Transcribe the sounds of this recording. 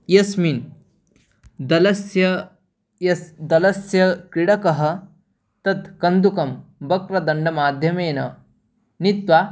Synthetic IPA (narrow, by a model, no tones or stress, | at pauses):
jɐsmin | d̪ɐlɐsjɐ | jɐsd̪ɐlɐsjɐkɾiɽɐkɐɦɐ̆ | t̪ɐt̪kɐnd̪ukɐmbɐkɾɐd̪ɐɳɖɐmaːd̪ʱjɐmeːnɐ̰ | nit̪ʋaː